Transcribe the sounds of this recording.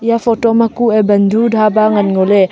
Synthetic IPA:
ijapʰotɔmɐkuebɐndʱudʱabaŋɐnŋole

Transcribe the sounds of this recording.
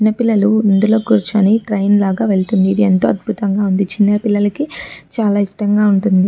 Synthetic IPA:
t͡ʃinːɐpilːɐluind̪ulo̞ːkuːɾut͡ʃuɐneʈɾɐjnlaːɡaːʋe̞ɭt̪und̪iːd̪ient̪o̞ːɐd̪̚bʱut̪ɐŋɡaːund̪it͡ʃinːɐpilːɐlɐkit͡ʃaːlaːiʂʈɐŋɡaːuɳʈund̪i

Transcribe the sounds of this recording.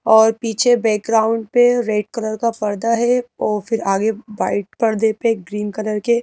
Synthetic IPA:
ɔːɾpiːt͡ʃʰebɛːk̚ɡɾaːʊ̃ɳɖpeɾeːʈkɐləɾkapɐɾd̪aɦɛɔːɾfɪɾaːɡebaːɪʈ̚pɐɽd̪epeɡɾiːnkələɾke

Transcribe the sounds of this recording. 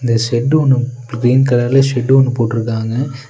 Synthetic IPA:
ɪnd̪ɐsɛʈːɯɔɳːɯ | ɡɾiːnkɐlaːlɐsɛɖːɯɔɳːɯpoːʈːɯɾɯkːaːŋɡɐ

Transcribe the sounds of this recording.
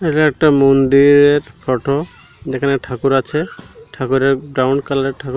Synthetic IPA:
eʈaɛk̚ʈamond̪iɾeɾpʰɔʈʰo | d͡ʒekʰaneʈʰakuɾat͡ʃʰeʈʰakuɾeɡɾawɳɖkalaɾeʈʰakuɾ

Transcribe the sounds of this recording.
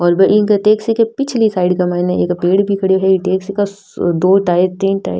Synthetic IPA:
ɔːɾbɐʔɪkeʈeːksikepɪt͡ʃʰlisaːɪɖkamaːneḛːkpeːɽbʱikʰɐɽiɦɛiʈeːksika | d̪oːʈaːɪɾt̪iːnʈa̰ːɪɾ

